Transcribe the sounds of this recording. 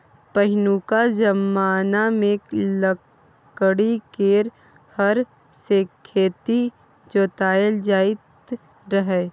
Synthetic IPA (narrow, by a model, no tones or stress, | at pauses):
pəɦɪnukad͡ʒəmːaːnamẽlə | kɽikeːɾ | həɾ | sekʰeːt̪i | d͡ʒoːt̪aːjəld͡ʒaːɪt̪ | ɾəɦɛː